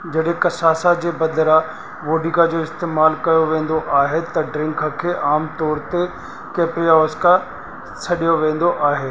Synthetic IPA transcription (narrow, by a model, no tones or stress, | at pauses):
d͡ʑɐɗɦẽkɐsaːsad͡ʑeːbɐd̪əɾa | ʋoːɖikad͡ʑoːɪst̪eːmaːlkɐjoʋẽːn̆d̪oʔaːɦet̪ɐɖɾɪ̃ŋkʰəkʰeːʔaːmt̪ɔːɾt̪e | keːpɾijaɔːska | sʰɐɗijoʋẽːn̆d̪oʔaːɦeː